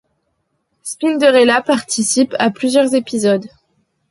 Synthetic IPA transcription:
spind̪əʁelapaʁt̪isipaplyzjœʁzepizɔd̪

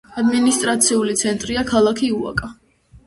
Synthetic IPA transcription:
ad̪minist̪ʼɾat̪sʰiulit̪sʰɛnt̪ʼɾiakʰalˠakʰiua̰kʼa

